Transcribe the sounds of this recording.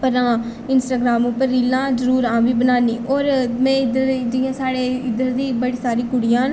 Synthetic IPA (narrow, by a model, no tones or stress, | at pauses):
pəɾãː | ɪnsʈaːɡɾaːmõpəɾːiːlãːzəɾuːɾãːbiːbənaːniːɔːɾmɛ̃ːɪd̪əɾd͡ʒ̪iːãːsaːɽeːɪd̪əɾd̪iːbəɽiːsaːɾiːkʊɽijãːɦn